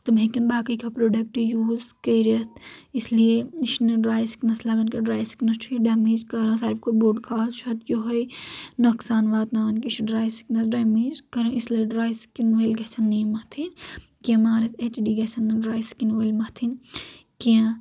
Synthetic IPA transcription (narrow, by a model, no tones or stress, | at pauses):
t̪ɐmɦekɐnbaːkɐjkʰɐpɾoːɖɐk̚ʈijuːzkɐjɾɐt̪islieiʃnɐɖɾaːjsi̥knɐslaːɡɐnkɐɖɾaːjsknɐst͡ʃʰuiɖaːmeːd͡ʒkɐːɾãːsɐɾifkoboɖkʰaːt͡ʃʰɐt̪joɦojnoksaːnʋaːt̪naːʋɐnkiʃɖɾaːjsi̥knɐsɖaːmeːd͡ʒkɐɾɐ̃islieɖɾaːjskinʋɐːlɡɐsɐnːiːmɐt̪ʰin | kːmaːɾɐset͡ʃɖiːɡɐsɐnːɐɖɾaːjskinʋɐlmɐt̪ʰinkiã